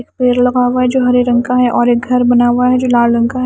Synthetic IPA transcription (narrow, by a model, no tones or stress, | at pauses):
ekpeːɾlɐɡaːʋaɦɛd͡ʒoːɦɐɾiɾɐ̃ŋkaɦɛʔɔːɾeːk̚ɡʱɐɾbɐnaːʋaɦɛd͡ʒoːlaːlɾɐ̃ŋkaɦ